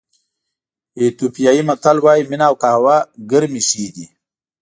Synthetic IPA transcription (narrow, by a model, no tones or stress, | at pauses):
et̪upijaːimɐt̪alwaːjminaːwkahwaɡəɾmiʂiːd̪i